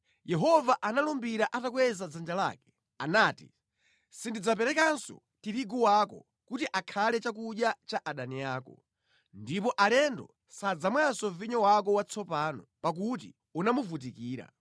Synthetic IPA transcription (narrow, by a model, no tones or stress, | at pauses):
jɛɦɔvaʔanalɔmbiɾaʔatakwɛzad͡zand͡ʒala̰ːkɛ̥ | anaːti | sindid͡zapɛɾɛkansɔ̰ | tiɾiɡɔwakɔ̰ | kutiʔakʰalɛt͡ʃak̬uɗjat͡ʃaʔaɗanijaːkɔ̰ | ndipɔʔalɛndɔ̰ | sad͡zamwansɔviɲɔwak̬ɔwat͡sʰɔpaːnɔpak̬ut̬ḭ | unamuvutikiːɾa̰